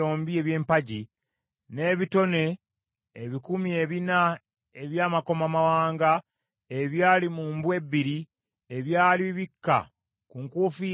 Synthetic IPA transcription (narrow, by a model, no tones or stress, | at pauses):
oːmbieβje̞ːmpaɟi | ne̞βito̞ne̞ː | βikumie̞βina | e̞βjaːmako̞mamawaːŋɡa | e̞βjaːlimuːmbwe̞bːiɾi | eβjaːliβikːa̰ | kuŋkuːfi